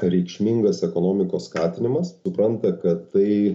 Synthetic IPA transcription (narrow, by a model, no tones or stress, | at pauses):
ɾʲɛɪkʃʲmʲiŋɡɐsɛkoːnoːmʲɪkoːsskɑːt̪ʲɪnʲɪmɐssʊpɾɐnt̪ɐkɐt̪ːɐɪ